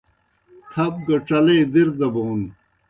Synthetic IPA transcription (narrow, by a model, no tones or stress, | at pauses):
t̪ʰɐb̚ɡɐʈ͡ʂɐlejd̪iɾd̪ɐboːn